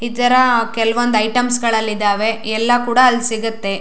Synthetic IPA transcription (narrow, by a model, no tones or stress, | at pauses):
it̪ɐɾɐkɛlɐʋond̪ɐjʈɐmsɡɐɭɐlːid̪aːʋe̞ɛlːɐkuːɽɐːlːsiɡɐt̪ːe̞